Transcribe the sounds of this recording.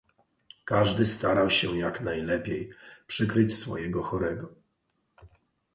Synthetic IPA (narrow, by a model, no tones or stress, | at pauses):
kaʐd̪ɘst̪aɾawɕɛjaknajlɛpʲejpʂɘkɾɘt͡ɕsfɔ̰jɛɡɔxɔɾɛɡɔ